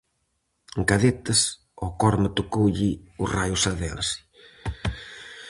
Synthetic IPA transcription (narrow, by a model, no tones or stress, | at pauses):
ŋkaðet̪ɐs | ɔkɔɾmɐt̪okowʎiʊrajʊsɐðɛlsi̥